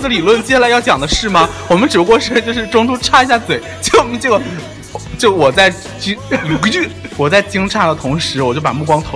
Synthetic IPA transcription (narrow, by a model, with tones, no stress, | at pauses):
d̪ə˧li˨˩lwə˥˩nt͡ɕjɛ˥ɕja˥˧lɪjɑ˥˩ʊt͡ɕjɑ˨˩ŋd̪ə˦ʂɻ̩˥˩mɐ˨wɔ˨˩mə˦nʈ͡ʂɻ̩˨˩u˥kwɔ˥˧ʂɻ̩˥t͡ɕjo˥˧ʊʂ̬ɻ̩˥˩ʈ͡ʂʊ˥ŋt̪u˥ʈ͡ʂʰa˥i˧˥ɕja˥˩t͡swe˨˩ɪt͡ɕjo˥˩ʊ˧ʈ͡ʂɤ˥˩ɡə˩ | t͡ɕjo˥˩ʊwɔ˨˩t͡sa˥˩ɪ | t͡ɕi˥jo˨˩kt͡ɕy˥˩ | wɔ˨˩t͡sa˥˩ɪt͡ɕi˥ŋʈ͡ʂʰa˥˩d̪ə˩t̪ʰʊ˧˥ŋʂɻ̩˧˥wɔ˨˩t͡ɕjo˥˩ʊpa̰˨˩mu˥˩kwɑ˥ŋt̪ʰo˧˥